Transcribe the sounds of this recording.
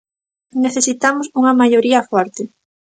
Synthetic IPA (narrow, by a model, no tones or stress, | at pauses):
neθesit̪amʊsuŋɐmajoɾiɐfɔɾt̪e